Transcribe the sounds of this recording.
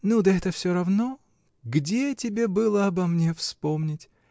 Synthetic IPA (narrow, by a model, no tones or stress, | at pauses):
nud̪əɛt̪əfsʲoɾɐvno | ɡdʲetʲɪbʲe̞bɨlˠəɐbɐmnʲe̞fspomnʲɪtʲ